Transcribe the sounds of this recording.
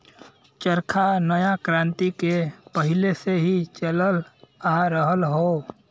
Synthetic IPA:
t͡ʃəɾkʰanəjakɾãːnt̪ikepəɦɪleseɦit͡ʃələlaɾəɦəlɦo

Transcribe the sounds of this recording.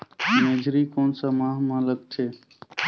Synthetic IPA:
meːd͡ʒɾiːkoːnsãːmãːɦmãːləɡt̪ʰeː

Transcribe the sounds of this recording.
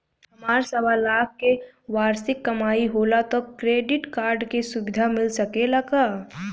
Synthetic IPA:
hɐmaːɾsəbalaːk̚ʰke | ʋaːɾsɪkːɐmaːiɦoːlat̪okɾeːɖɪʈkaːɾɖkesʊbɪd̪ʱamɪlsəkelaka

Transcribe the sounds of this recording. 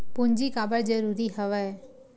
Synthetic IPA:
pʊnd͡ʒikaːbəɽd͡ʒəɾuːɾiɦəʋɛ

